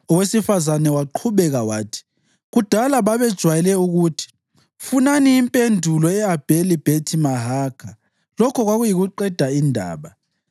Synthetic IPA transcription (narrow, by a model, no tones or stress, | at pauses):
ɔwesifazanɛwaǃʰuβɛɣawaːtʰi̥ | ɣud̥ʱalaβaβɛd̥ʒ̥ʱwajɛlɛuɣutʰi̥ | funaniːmpʼendʱulɔɛab̥ʱelib̥ʱetʰimaɦakʰa | lɔkʰɔɣwaɣujiɣuǃɛd̥ʱaindʱa̰ːβa